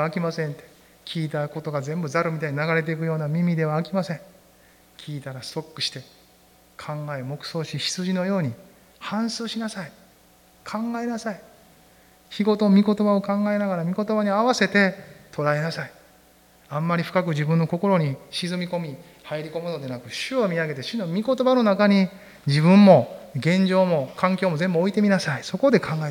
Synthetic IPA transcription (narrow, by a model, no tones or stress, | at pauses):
kʲimasẽ̞nt̪e̞̥ | kʲiːt̪ako̞t̪o̞ɡazẽ̞mbɯ̟zaɾomʲit̪aiɲinaɡaɾe̞t̪̬e̞ik̬ɯ̟jo̞ːnamʲimʲid̪e̞βaːkʲimasẽ̞ŋ | kʲiːt̪aɾaso̞kːɯ̟ɕi̥t̪e̞ | kʰãŋɡaemo̞kɯ̟̥so̞ːɕiɕi̥t͡sɨʑino̞jo̞ːɲ̟i | hãɰ̃sɨːɕinasai | kʰãŋɡae̞nasai | çiɡo̞t̪omʲiko̞t̪o̞bao̞kãŋɡae̞naɡaɾamʲiko̞t̪o̞baɲ̟iaβase̞t̪e̞t̪ʰo̞ɾae̞nasai | ãmːaɾʲiɸɯ̟̥kakɯd͡ʑibɯ̟̃nːo̞ko̞ko̞ɾo̞ɲ̟iɕizɨmʲiko̞mʲi | haiɾʲiko̞mɯno̞d̪e̞nakɯ̟ɕɨomʲiaɡe̞t̪e̞ɕinomʲiko̞t̪o̞bano̞nakaɲ̟i | d͡ʑiβɯ̟̃mːo̞ɡẽ̞ɲ̟d͡ʑo̞ːmo̞kʰãŋkʲoːmo̞zẽ̞mbɯ̟oit̪e̞mʲinasaiso̞ko̞d̪e̞kʰãŋɡae